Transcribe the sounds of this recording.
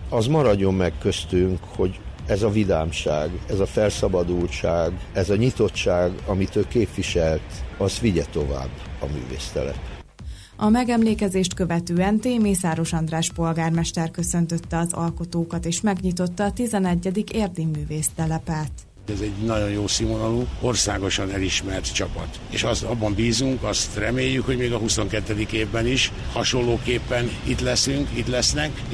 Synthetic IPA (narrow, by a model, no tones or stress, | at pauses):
ɒzmɒɾɒɟːo̞mːɛkkø̞st̪yŋkho̞ɟɛzɒvila̰ːmʃa̰ːɡɛzɒfɛlsɒbɒd̪ult͡ʃaːɡɛzɒɲit̪o̞t̪ːt͡ʃaːɡɒmit̪øːkeːpʋiʃɛlt̪ɒst̪ʋiɟɛt̪o̞va̰ːbːɒ̰my̰ːvḛːst̪ɛ̰lɛ̰p | ɒmɛɡɛmleːkɛzeːʃt̪kø̞vɛt̪øːɛnt̪eːmeːsaːɾo̞ʃɒnd̪raːʃpo̞lɡaːrmɛʃt̪ɛrkø̞sø̞nt̪ø̞t̪ːɛɒzɒ̰lko̞t̪oːkɒt̪eːʃmɛɡɲit̪o̞t̪ːɒːt̪izɛnɛɟːɛd̪ikeːrd̪imːyːveːst̪ɛlɛpɛlt̪ | ɛzɛɟnɒɟo̞njoːsimonɒluo̞rsaːɡo̞ʃɒnɛliʃmɛrt̪t͡ʃɒpɒ̰t̪ | ḛːʃɒst̪ɒbːɒmbiːzuŋkɒst̪rɛmeːjːykho̞ɟmeːɡɒɦuso̞ŋkɛt̪ːɛd̪ikeːvbɛniʃ | hɒʃo̞lloːkeːpːɛnit̪lɛsyŋkit̪lɛsnɛk